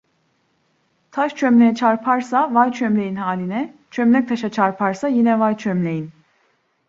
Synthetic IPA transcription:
t̪ʰaʃt͡ʃʰømlejɛt͡ʃʰaɾpʰaɾsavajt͡ʃʰømlʲe̞jinɦaːlʲinɛt͡ʃʰømlʲɛc̚t̪ʰaʃat͡ʃʰaɾpʰaɾsajinɛvajt͡ʃʰømlʲejin

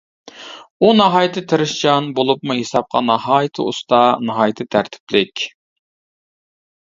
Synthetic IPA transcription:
unɑɦɑːjt̪ʰɨt̪ʰɨɾɨʃd͡ʒɑnbolˠupmuɦesɑp̚qʰɑ̰nɑɦɑːjit̪ʰɨ̰ṵst̪ʰɑnɑɦɑːjt̪ʰɨt̪ʰæɾt̪ʰɪ̥plɪkʲ

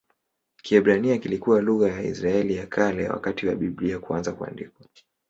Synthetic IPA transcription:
kiɛbɾaniakilikuwaluɣajaḭsɾaɛlijakʰalɛ̰wa̰katiwa̰ɓibliakuanzakua̰ndikwa

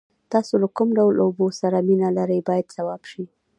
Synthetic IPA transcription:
t̪ɑsolakʊmɖawlobosaɾaminalaɾəjbɑjad̪sawɑb̥ʃi

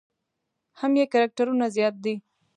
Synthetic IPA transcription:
hamjekaɾak̚ʈaɾunazjɑt̪̚d̪i

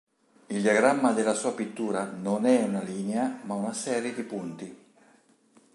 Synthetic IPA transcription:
ild̪iaɡɾamːad̪elːasuːapit̪ːuːɾanonɛunaliːneamaunasɛːɾjed̪ipunt̪i

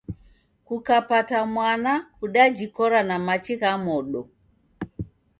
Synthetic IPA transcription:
kukapatamwanakuɗad͡ʒikɔɾanamat͡ʃiɣamɔɗɔ

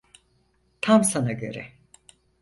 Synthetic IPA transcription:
t̪ʰamsanaɟø̞̰ɾɛ

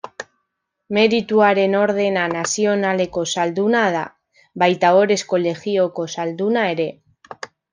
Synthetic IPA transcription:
me̞ɾit̪uaɾe̞no̞ɾðe̞nanasio̞nale̞ko̞sald̪unað̞a̰ | βajt̪ao̞ɾe̞sko̞le̞ɣio̞ko̞sald̪unae̞ɾe̞

